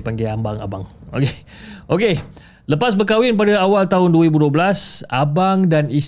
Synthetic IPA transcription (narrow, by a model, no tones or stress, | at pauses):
paŋɡaambaŋa̰baŋo̰ke | ʔoke | ləpas̬bəkawɪnpadaawalt̪aɦʊnduəɾibuduobəlasabaŋdanis